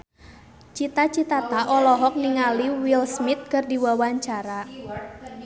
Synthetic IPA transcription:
t͡ʃit̪at͡ʃit̪at̪aʔɔlɔɦɔk̚niŋaliwilsmit̪̚kərdiwawaɲt͡ʃaɾa

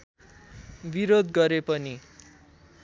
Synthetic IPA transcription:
biɾod̪ɡʌɾepʌni

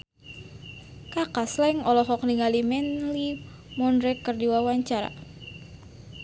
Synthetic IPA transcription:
kakaslaiŋɔlɔɦɔk̚niŋɡalimɛnli | mɔnɾɛkːərdiwawaɲt͡ʃaɾa̰

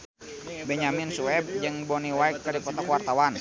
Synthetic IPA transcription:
bɛɲaminsuɛb̚d͡ʒɨŋbɔniwaikːadipɔt̪ɔkwart̪awan

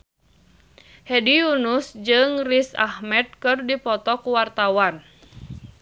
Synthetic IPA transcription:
hɛdijunusd͡ʒɨŋrisa̰hmɛt̪̚kɨrdipɔt̪ɔkuwart̪awan

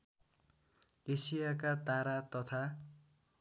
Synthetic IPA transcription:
esijakat̪aɾat̪ʌt̪ʰa

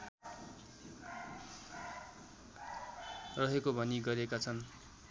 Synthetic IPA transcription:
rʌɦekobʱʌniɡʌɾekat͡sʰʌn

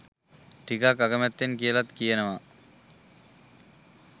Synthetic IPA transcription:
ʈikakaɡəmæt̪ːenkijəlat̪kijənəʋa

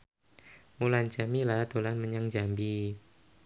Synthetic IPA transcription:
mulant͡ʃamilaht̪olanməɲaŋd͡ʒambi

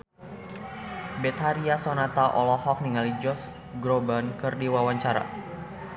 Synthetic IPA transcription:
bɛt̪haɾiasɔnat̪aʔɔlɔhɔk̚niŋalid͡ʒɔs | ɡɾobankɨrdiwawaɲt͡ʃaɾa̰

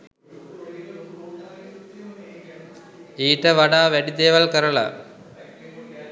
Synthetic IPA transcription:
iːʈːɐʋɐɽaːʋeɽid̪eːʋɐlkɐɾɐɭɐ̰

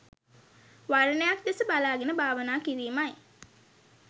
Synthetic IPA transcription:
ʋaɾənəjak̚d̪esəbalaːɡenəbʱaːʋənaːkiɾiːmaj

